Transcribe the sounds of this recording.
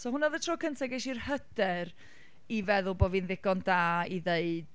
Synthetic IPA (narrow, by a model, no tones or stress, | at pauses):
sɔhʊnaðətʰr̥ɔːkʰəntʰaɡɛʃirhədɛr | ivɛðʊlˠbɔvinðɪɡ̥ɔndaːiðeɨd̥